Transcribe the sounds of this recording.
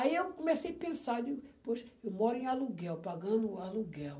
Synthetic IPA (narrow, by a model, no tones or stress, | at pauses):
aiewkomesejapẽsad͡ʒ̪ɪpoʃɐ̥ewmɔɾʊẽaluɡɛwpaɡɐ̃d̪ʊaluɡɛw